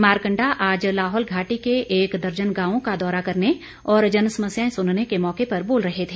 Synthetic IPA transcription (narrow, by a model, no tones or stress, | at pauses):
maːɾkə̃ɳɖaʔaːd͡ʒlaːɦɔːlɡʱaːʈikeʔeːkd̪ɐɾd͡ʒənɡãːʋõkad̪ɔːɾakɐɾne | ɔːɾd͡ʒɐnsɐməsjaẽsʊnnekemɔːkepɐɾboːlɾɐɦet̪ʰeː